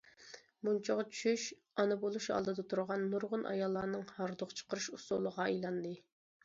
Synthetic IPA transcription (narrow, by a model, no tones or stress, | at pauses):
munt͡ʃʰɑʁɑt͡ʃʰy̥ʃyʃ | ɑnɨbolˠuʃɑ̰lˠd̪ɨd̪ɑt̪ʰuɾʁɑnːuɾʁʊnʔɑ̰jɑlˠːɑːnɨŋhɑɾd̪oqt͡ʃʰə̥qəɾɨʃusulˠəʁɑejlˠɑnd̪ɨ